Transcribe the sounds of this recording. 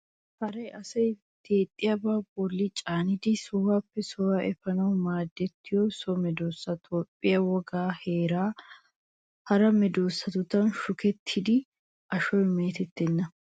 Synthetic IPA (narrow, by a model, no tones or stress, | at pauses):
hɐɾɐjʔɐsɐj | d̪̥eːt̪ʼːɪjɐbaːbɔlːɪt͡ʃʼaːnɪd̪ɪsɔwaːpːɛsɔwaʔɛfɐnɐwmaːd̪ːɛt̪ːɪjɔsɔmɛd̪oːsːɐt̪ʰoːpʼːɪjɐwɔɡaːheːɾaː | hɐɾɐmɛd̪oːsːɐt̪ʊt̪ɐnʃʊkɛt̪ʰːɪd̪ɪ | ʔɐʃɔjmeːt̪ɛt̪ːɛnːɐ